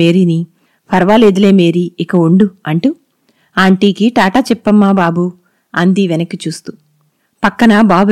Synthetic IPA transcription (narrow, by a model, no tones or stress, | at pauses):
eːɾini | pʰɐɾʋaːleːd̪ɐle̞ːmeːɾiːkɐuɳɖuɐɳʈu | aːɳʈiːkiʈaːʈaːt͡ʃɛpːɐmːaːbaːbu | ɐnd̪iʋɛnɐkːit͡ʃuːst̪u̥ | pɐkːɐnɐbaːbu